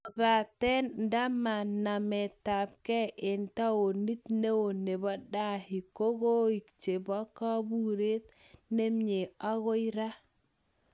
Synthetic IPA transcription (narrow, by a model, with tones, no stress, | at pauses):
ba˨tɛ˦nnda˦ma˨na˨mɛ˨ta˨p̚kɛ˦ʔe˨nta˦o˨ni˦tne˦o˨ne˨bɔ˦da˦hi˨ko˦ɡo˦i˨kt͡ʃe˨bɔ˦ka˦bu˦ɾe˦t | ne˦mɲe˨a˦ɣo˦i˦ɾa˦